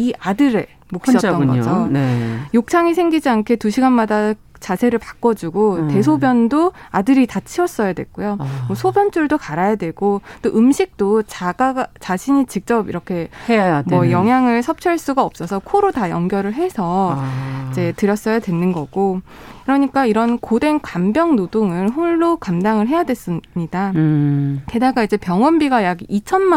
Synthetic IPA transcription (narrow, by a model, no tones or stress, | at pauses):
iʔadɯɾe̞ | mokɕiiʌtt͈ːʌɡʌd͡ʑonjok̚t͡ɕʰaŋisʰe̞ŋɡid͡ʑiankʰe̞tuɕʰiɡanmada | t͡ɕasʰe̞ɾɯɭpak͈ʌd͡ʑuɡote̞s̬ʰobjʌndoadɯɾitat͡ɕʰiʌs͈ʌjadwe̞̰k͈ojomʌsʰobjʌnt͡ɕ͈uɭdokaɾajadweɡ̥ot͈oʔɯmɕʰik̚t͈ot͡ɕaɡaɡat͡ɕaɕʰiɲit͡ɕik̚t͡ɕ͈ʌbiɾʌkʰe̞mʌjʌŋɦjaŋɯɭsʰʌp̚t͡ɕʰʌɭs͈uɡaʌp̚s͈ʌsʰʌkʰoɾotajʌŋɡjʌɾɯɭɦe̞sʰʌ | id͡ʑe̞tɯɾjʌs͈ʌjadwenːɯnɡʌɡ̥o | kɯɾʌɲik͈aiɾʌnkode̞ŋkambjʌŋnodoŋɯnɸoɭːokamdaŋɯɭɦe̞jadwe̞s͈ɯɲida | te̞daɡaid͡ʑe̞pjʌŋwʌnbiɡajaɡiit͡ɕʰʌnma